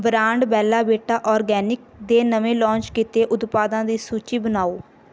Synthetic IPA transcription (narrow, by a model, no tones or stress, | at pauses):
bɾãːɳɖbɛːlaːbeːʈaːʔɔːɾɡɛːnɪk̚ | d̪eːnəʋẽːlɔ̃ːnt͡ʃkit̪eːʔʊd̪paːd̪ãːd̪iːsuːt͡ʃiːbənaːoː